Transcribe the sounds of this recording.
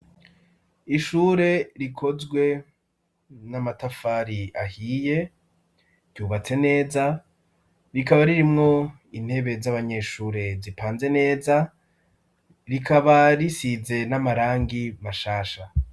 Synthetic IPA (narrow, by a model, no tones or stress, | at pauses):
iʃuːɾe̞ɾikʰo̞zɡwe̞ | namatafaːɾiahiːje̞ | ɾɟuːβat͡se̞ne̞ːza | ɾikaβaɾiɾimŋo̞ | in̥he̞βe̞zaβaɲe̞ʃuːɾe̞zipʰaːnze̞ne̞ːza | ɾikʰaβaɾisize̞namaɾaːŋɡimaʃaːʃa